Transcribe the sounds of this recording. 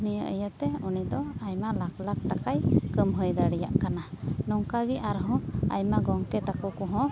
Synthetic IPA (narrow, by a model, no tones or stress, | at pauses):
nijəʔə̰jət̪ɛunid̪ɔajmalaklak̚ʈakajkəmɦəjd̪aɽijaʔkananɔŋkaɡiʔaɾɦɔ̃a̰jmaɡɔŋkɛt̪akɔkɔɦɔ̃